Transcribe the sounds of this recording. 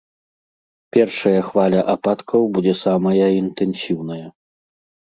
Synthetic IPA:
pʲɛrʂɐjɐxvalʲɐʔapat̪kʰɐwbud͡zʲɛsamɐjɐint̪ɛnsʲiwnɐjɐ

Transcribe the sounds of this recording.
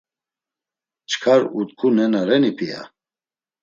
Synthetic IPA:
t͡ʃʰkʰaɾut̪kʰunɛnaɾɛnipʰija̰

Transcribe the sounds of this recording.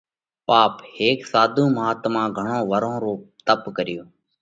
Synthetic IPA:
paːpheːksaːd̪ʱũːməɦaːt̪mãːɡʱəɳõːʋəɾõːɾoːpt̪əpkəɾɪjoː

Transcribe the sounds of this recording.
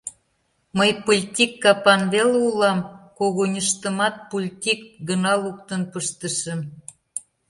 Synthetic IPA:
məjpolʲt̪ʲikːɑpɑnβeleulɑmkoɣonʲəʃt̪əmɑt̪̚polʲt̪ʲik̚ɡənɑluk̚t̪ənpəʃt̪əʃə̆m

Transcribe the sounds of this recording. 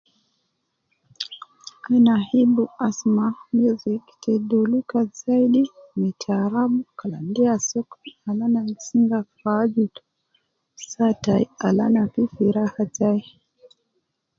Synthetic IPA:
ainahibuasmamuziki̥tʰɛɗulikazaiɗimitʰaɾaɓukalandiasɔkɔ̥alanamsiŋɡafad͡ʒutu̥ | sataialanapifiɾahatai

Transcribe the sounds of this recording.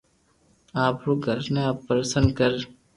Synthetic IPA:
aːpɾoːɡʱəɾneaːpːəɾəsə̃nd̪kəɾ

